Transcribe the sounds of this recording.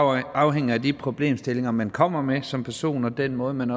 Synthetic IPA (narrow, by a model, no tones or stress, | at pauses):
ɑ̈ʊɦeŋ̰̩ˠæd̥ipʰʁo̝b̥le̝̰ːmsd̥e̝le̝ŋɐmænkʰɒ̽m̰ɐmesɒ̽mpʰæɐso̝̰ːnɒ̽d̥en̰mɔ̽ːð̩ˠmænɒ